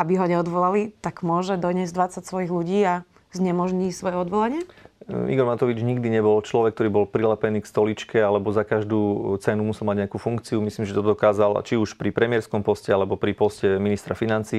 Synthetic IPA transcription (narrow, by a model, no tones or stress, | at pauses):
abiɦɔɲɛɔd̪ʋɔlalit̪aɡmʊɔʒɛd̪ɔɲɛzd̪ʋat͡sacsʋɔjiɣluɟiːa | zɲɛmɔʒɲisʋɔjɛɔd̪ʋɔlaɲɪɛḭɡɔɾmat̪ɔʋid͡ʒɲiɡd̪iɲɛbɔlt͡ʃlɔʋɛk̚t̪ɔɾiːbɔlpɾilɛpɛniːkst̪ɔlit͡ʃkɛalɛbɔzakaʒd̪uːt͡sɛnumusɛlˠmaɟɲɛakufuŋkt͡siumisliːmʒɛt̪ɔd̪ɔkaːzalt͡ʃiuʃpɾipɾɛmɪɛɾskɔmpɔscɛalɛbɔpɾipɔscɛminist̪ɾafinant͡siː